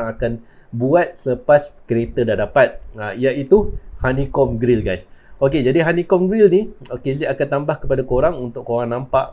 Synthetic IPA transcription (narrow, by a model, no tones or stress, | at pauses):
ŋakan | buat̪̚səpaskəɾet̪ədandapat̪̚aijaʔit̪uhanĩkɔmɡɾilɡajsoked͡ʒadiɦanĩkɔmɡɾilniokeziakant̪ambahkəpadakoɾaŋunt̪ʊʔkoɾaŋnãmpaʔ